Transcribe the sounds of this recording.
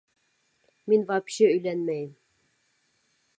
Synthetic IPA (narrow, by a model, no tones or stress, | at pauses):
minvɑpɕɘɵ̆jlænmæjɘm